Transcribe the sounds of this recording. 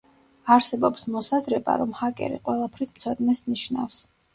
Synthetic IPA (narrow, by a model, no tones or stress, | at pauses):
aɾsɛbɔpsmɔsazɾɛba̰ɾɔmhakʼɛ̰ɾḭqʼwɛlˠapʰɾismt̪sʰɔd̪nɛsniʃna̰fs